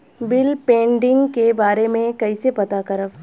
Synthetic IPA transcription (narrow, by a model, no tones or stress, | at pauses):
bɪlpẽːɳɖɪ̃ŋɡkebaːɾemẽkɐisepɐt̪akɐɾəf